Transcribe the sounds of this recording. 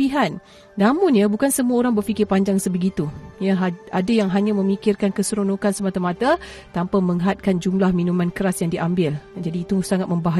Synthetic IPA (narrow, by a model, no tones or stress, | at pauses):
iɦan | namũnjabukansəmuaoɾaŋbərfikɪrpaɲd͡ʒaŋsəbəɡit̪ujəɦadajaŋɦaɲãmə̃mikɪrkankəsəɾonokansəmat̪amat̪a | t̪ampaməŋɦat̪̚kand͡ʒumlahminũmãnkəɾasjaŋdiʔambɪld͡ʒadiːt̪usaŋat̪̚mə̃mbaɦa